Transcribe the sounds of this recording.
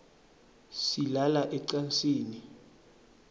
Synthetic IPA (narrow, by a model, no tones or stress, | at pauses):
silalaʔɛǀansʼiːni